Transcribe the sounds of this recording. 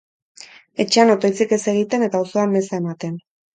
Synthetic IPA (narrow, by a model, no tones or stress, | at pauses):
e̞t͡ʃeanot̪o̞jt͡sike̞se̞ɣ̞it̪e̞ne̞t̪aoso̞amme̞sae̞mat̪e̞n